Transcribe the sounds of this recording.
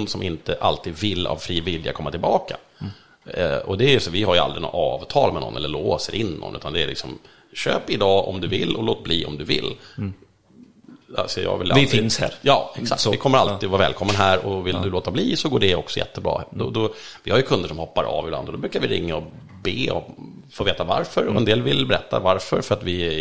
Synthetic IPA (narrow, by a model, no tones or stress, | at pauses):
nd̪sɔmʔɪnt̪əʔalt̪iːd̪vɪlːa̰vfɾiːvɪlja̰kʰɔmːat̪ʰɪlbɑːka | ɔd̪ɛæɾjəsɔvɪhaɾja̰ld̪ɾɪnɔ̰ɑːvt̪ʰɑːlmɛnɔ̰nːɛlːəɭoːsəɾʔɪnːɔ̰nʔʉ̟ːt̪and̪ɛælɪ̰ksɔm | ɕø̰ːpɪd̪ɑːʔɔmd̪ɵvɪlːɔloːt̪̚bliːɔ̰md̪ɵvɪlː | sɛjɑ̰ːvɛlaɪt̪ɪnshæ̰ɾjɑːɛksaktvɪkʰɔmːəɾalt̪id̪ɔvaɾvɛːlkʰɔmːənɦæːɾɔvɪld̪ɵloːt̪abliːsɔɡoːɖɛɔ̰ksɔjɛ̰t̪ːəbɾɑ̰ːd̪ɔd̪ɔvɪhaɾjɵkʰɵnd̪əʂɔmhɔpːaɾʔɑ̰ːvɪbla̰nd̪ɔd̪ɔbɾʉ̟ːkaɾvɪɾɪŋːaɔ | beːɔ̰ | foːveːt̪avaɾfœɾɔɛnd̪eːlvɪlbɛɾɛt̪ːa̰vaɾfœɾfœɾat̪vɪ